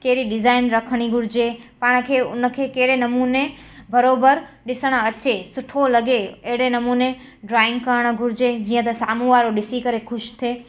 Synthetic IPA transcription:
keːɾiɖɪzaːɪnɾəkʰəɽ̃iɡʱʊɾd͡ʒepaɽ̃kʰeʊnəkʰekeːɽenɐmune | bəɾoːbəɾɗɪsəɽ̃ət͡ʃesʊʈʰoləɡeeɦɽenɐmune | ɖɾaːɪ̃ŋɡkəɾəɽ̃ɡʱʊɾd͡ʒed͡ʒiːə̃t̪əsaːmũʋaːɾoɗɪsikəɾekʰʊʃt̪ʰeː

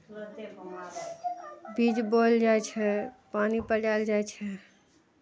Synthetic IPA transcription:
bid͡ʒbold͡ʒajt͡ʃʰɛpanipəd͡ʒald͡ʒajt͡ʃʰɛ

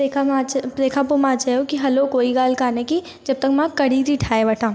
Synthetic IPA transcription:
eapɾeːkʰap̬omaːt͡ʃaokiɦɐlokoːiɡaːlkaːneki | d͡ʒɐb̚t̪ɐkmãkɐɽid̪ʱiʈʰaːebɐʈʰaː

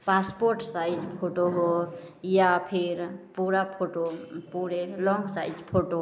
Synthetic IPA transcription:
paspoɾʈsajd͡ʒpʰoʈoɦojapʰiɾpuɾapʰoʈopuɾelɔŋɡsajd͡ʒpʰoʈo

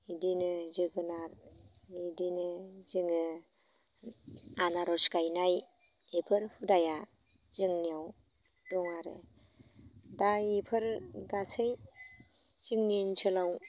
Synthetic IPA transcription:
idinɯziɡɯnaɾ | idinɯziŋɯ | anaɾɔskajnaj | ipʰɯɾpʰudaja | z̥ɯŋniaw | dɔŋaɾḛ | daipʰɯɾɡasɯj | z̥iŋnint͡ʃʰɯlaw

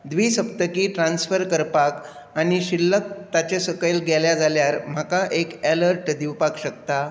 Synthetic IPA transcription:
d̪ʋiːsəp̚t̪əkiːʈɾãnsfəɾkəɾpak | aɽ̃iɕilːək̚t̪at͡ɕesəkəjlɡɛljad͡zaljaɾm̤akaʔekæləɾʈd̪iwpakɕək̚t̪a

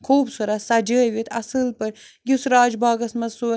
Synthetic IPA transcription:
kʰoːbsuɾɐsad͡ʒəːʋit̪ʰɐ̰sɨlpɨɾjusɾaːd͡ʒbɑːɡɐsmɐsu

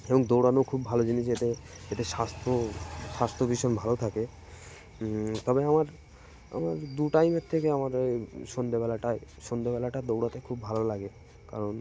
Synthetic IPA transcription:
eboŋd̪owɽanokʰubːʱalod͡ʑiniʃet̪e | et̪eʃast̪ʰoʃast̪ʰobiʃonbʱalot̪ʰake | t̪ɔbeamaɾ | a̰maɾd̪uʈajmeɾt̪ʰekeamaɾʃond̪ebɛlaʈaeʃond̪ebɛlaʈad̪owɽat̪ekʰubbʱalolaɡe | kaɾon

